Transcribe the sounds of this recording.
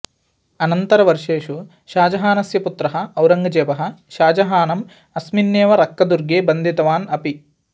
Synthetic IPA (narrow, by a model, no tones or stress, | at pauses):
ɐnɐnt̪ɐɾɐʋɐɾʂeːʃu | ʃaːd͡ʒɐɦaːnɐsjɐput̪ɾɐɦɐ̆ɐwɾɐŋɡɐd͡ʒeːʋɐɦɐ̆ʃaːd͡ʒɐɦaːnɐm | ɐsminːeːʋɐɾɐkːɐd̪uɾɡeːbɐnd̪ʱit̪ɐʋaːnɐpi